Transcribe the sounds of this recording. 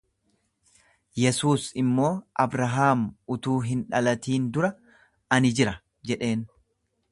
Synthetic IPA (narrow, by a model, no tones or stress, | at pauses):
jɛsuːsɪmːo̞ːʔɐbɾɐɦaːmʊt̪uːɦɪnᶑɐlɐt̪iːnd̪ʊɾɐ | ɐnɪd͡ʒɪɾɐ | d͡ʒɛᶑe̞ːn